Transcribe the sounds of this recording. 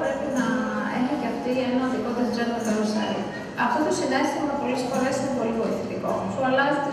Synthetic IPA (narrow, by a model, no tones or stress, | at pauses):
ɾepinɐḛxoceɐft̪ienɐɐnðikoðɐzd̪ɾɐnt̪opeɾosɐ̰jt̪ | ɐft̪ot̪osinestɐmɐpo̞lesfo̞ɾe̞st̪obo̞livo̞iθet̪iko̞̰suɐlɐzit̪